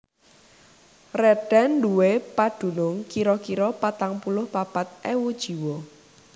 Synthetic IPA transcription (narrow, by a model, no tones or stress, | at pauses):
rɛɖ̥ɛnɖuwepaɖ̥ṳnʊŋkiɾɔkiɾɔpat̪aŋpulʊhpapat̪̚ʔewud̥ʒ̥i̤wɔ